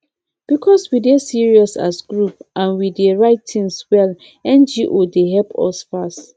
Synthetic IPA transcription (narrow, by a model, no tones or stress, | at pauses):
b̥ikʰɔswidesiɹiɔsa̰sɡɹupʔãnwideɹaɪttʰĩnswɛl | ɛ̃nd͡ʒiʔodeɦɛlpʰɔ̰sfast